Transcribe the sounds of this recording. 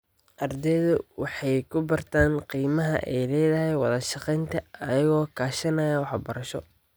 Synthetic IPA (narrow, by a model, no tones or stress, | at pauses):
ʔɐrd̪ɛːðʊwɑħɑjkʰʊbɐrt̪ʰaːnqiːmɐɦɐ̰ʔɛjlɛːðɐɦɛjwɑ̰ðɐʃɑqɛjnt̪ʰɐɐjɐɣɔːkʰaːʃɐnɐjɐwɑħbɐɾɐʃɔ̰